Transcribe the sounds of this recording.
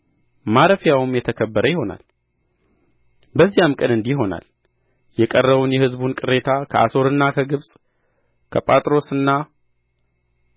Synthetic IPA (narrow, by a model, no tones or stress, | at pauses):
maɾəfjawɨmjɛt̪ʰəkʰəbːəɾəjɪho̞na̰l | bəzːijamkʼənɨnd̪iɦo̞na̰l | jɛkʼərːəβunjɛhɨzbunkʼɨɾe̞t̪ʰakʰəʔa̰so̞ɾɨnːakʰəɡɨβsʼ | kʰəpʼat̪ʼɾo̞sɨnːa